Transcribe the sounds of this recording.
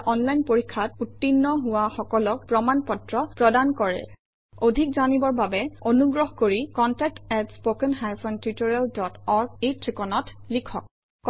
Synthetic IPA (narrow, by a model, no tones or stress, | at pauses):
ʔɔnlajnpoɹikʰːat̚utːinːɔɦʊwaxɔkɔlɔk̚pɹɔmanpɔtɹɔpɹɔdankɔɹɛ̰ | odʱik̚zanibɔɹbabɛonuɡɹɔɦkoɹikɔntɛk̚tɛtspokɛnɦajfʰɔntɹitɔɹaldɔtɔɹɡ̚etɹikɔnɔtlikʰɔ̰k̚ː